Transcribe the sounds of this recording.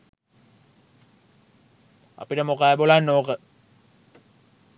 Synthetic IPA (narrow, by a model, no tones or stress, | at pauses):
a̰piʈɐmokaːebolaːnːoːkə